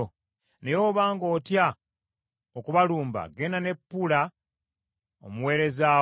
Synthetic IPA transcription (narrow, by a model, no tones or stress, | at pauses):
o | ne̞jo̞ːβaːŋɡo̞ːtja | okuβaluːmba̰ɡe̞nane̞pːula | o̰muweːɾe̞za